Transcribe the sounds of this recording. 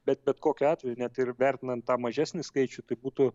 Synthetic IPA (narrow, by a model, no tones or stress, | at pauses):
bʲɛt̪̚bʲɛt̪koːkʲʊɑːt̪ʲʋʲɛjʊnʲɛt̪ɪrʋʲæɾʲt̪ʲɪnɐnt̪tɑːmɐʒʲæːsʲnʲɪskɐɪt͡ʃʲʊt̪ɐɪbuːt̪ʊ